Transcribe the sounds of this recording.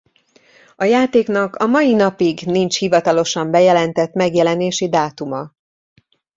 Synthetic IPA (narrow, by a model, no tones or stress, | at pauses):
ɒjaːt̪eːknɒkɒmɒjinɒpiɡnint͡ʃhivɒt̪ɒlo̞ʃɒmbɛjɛlɛnt̪ɛt̪mɛɡjɛlɛneːʃid̪aːt̪umɒ